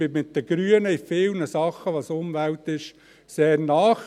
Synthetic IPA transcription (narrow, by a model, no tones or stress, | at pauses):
b̥ɪmɪt̚d̥̪əɡ̥ɾyənəɪfɪlnəsɑχːəʋɑsʊmvæwtɪʃ | seːɾnɑːχ